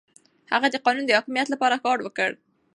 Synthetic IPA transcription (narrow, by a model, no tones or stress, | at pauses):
haɣad̪əqɑnund̪əhɑkimijat̪lapɑɾakɑɖwəkəɽ